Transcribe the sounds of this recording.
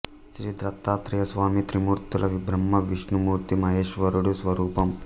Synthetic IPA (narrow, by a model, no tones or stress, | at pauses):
ʃɾid̪ɾɐt̪ːaːt̪ɾɐjɐsʋaːmit̪ɾimuːɾt̪ulʔɐʋibɾɐmːɐʋiʂnumuːɾt̪imɐɦeːʂʋɐɾuɽusʋɐɾuːpɐm